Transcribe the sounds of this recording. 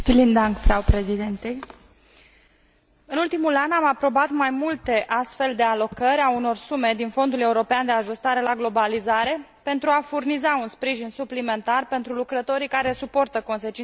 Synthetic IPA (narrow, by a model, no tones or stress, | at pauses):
filind̪aŋkfɾawpɾezid̪ent̪ej | ɨnult̪imulanamapɾo̞bat̪majmult̪e̞ʔast̪fe̞ld̪e̞alo̞kəɾʲauno̞rsume̞d̪info̞nd̪ule̞uɾo̞peand̪e̞aʒust̪aɾe̞laɡlo̞balizaɾe̞ | pe̞nt̪ɾuafurnizaunspɾiʒinsuplime̞nt̪arpe̞nt̪ɾulukɾət̪o̞ɾikaɾe̞supo̞rt̪əko̞nse̞t͡ʃin